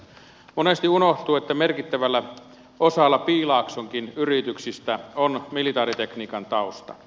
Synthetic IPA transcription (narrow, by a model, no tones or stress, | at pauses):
monest̪iunoht̪uet̪ːæmerkit̪ːæʋælːæ | osɑlːɑpiːlɑːksoŋkinyrit̪yksist̪æonmilit̪ɑːɾit̪ekniːkɑnt̪ɑost̪ɑ̰